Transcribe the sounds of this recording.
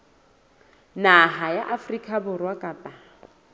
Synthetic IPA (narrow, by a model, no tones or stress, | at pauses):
naɦajaʔafrikʼabʊrwakʼapʼa